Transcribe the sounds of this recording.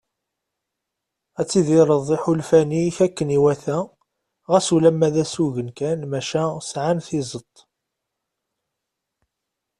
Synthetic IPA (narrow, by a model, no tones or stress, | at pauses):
æt͡sːiðiɾˤəðˤːiħulfæniçækːəniwæθæ | ʁæsulæmːæðæsuʝənkænmæʃæsʕanθizˤət̪ˤː